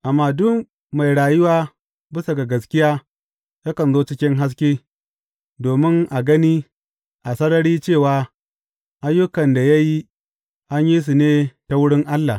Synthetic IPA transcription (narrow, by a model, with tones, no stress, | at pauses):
ʔa˨mːaː˦dʊ˦k | ma˨jɽaː˨jʊ˦waː˦ | bɪ˦sa˨ɡa˨ɡɐ˨skʲɪ˦jaː˦ | ja˦kɐ˨nzoː˦t͡ʃɪ˦kʲɪ˦ŋɦa˦s̬kʲeː˦ | doː˨mɪ˦ŋʔa˨ɡɐ˦niː˦ | ʔa˨sɐ˦nɐ˦ɽiː˦t͡ʃeː˦˨waː˨ | ʔa˦jːʊ˦kɐ˨nda˨ja˦ji˦ | ʔa˦ɲji˦s̬u˨neː˦ta˨wʊ˦ɽɪ˦ŋʔa˦lːa˨